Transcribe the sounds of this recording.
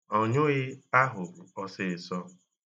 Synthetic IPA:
ɔ˨ɲʊ˦ɣɪ˦a˦ɦʊ˨ɔ˦sɪ˦˨ɪ˨sɔ˦

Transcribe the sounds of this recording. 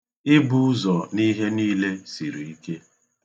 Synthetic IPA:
ɪ˦bu˦ʊ˦zɔ˨ni˦ɦe˦niː˦le˦si˨ɾi˨i˦ke˦

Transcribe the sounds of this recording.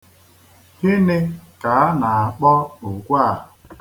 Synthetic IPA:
hɪ˦nɪ˦ka˨a˦na˨a˨k͡pɔ˦u˨kʷa˦˨

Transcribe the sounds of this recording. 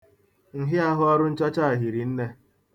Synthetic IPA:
ŋ̩˨ɦɪ˦a˦ɦʊ˦ɔ˦ɾʊ˦n̩˦t͡ʃɔ˦t͡ʃa˦˨a˨ɦi˨ɾi˨n̩˦ne˦

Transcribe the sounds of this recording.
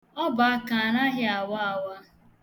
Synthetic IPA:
ɔ˦ba˨a˦ka˨a˨na˦ɦɪ˦a˨wa˦a˦wa˦

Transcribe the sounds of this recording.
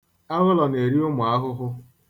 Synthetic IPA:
a˦ɣʊ˦lɔ˨ne˨ɾi˦o˦mʊ˨a˦ɦʊ˦ɦʊ˦

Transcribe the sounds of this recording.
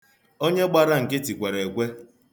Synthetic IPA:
o˦ɲe˦ɡ͡ba˦ɾa˦ŋ̩˨kɪ˦ti˨kʷe˨ɾe˨kʷe˦

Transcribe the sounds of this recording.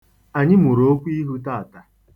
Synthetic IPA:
a˨ɲɪ˦mu˨ɾo˨˦o˦kʷi˦ɦu˦ta˦˨a˨ta˨

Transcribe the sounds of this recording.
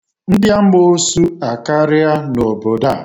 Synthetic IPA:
n̩˦dɪ˦a˦m̩˦bo˦su˦a˨ka˦ɾɪ˦a˦no˨bo˨da˦˨

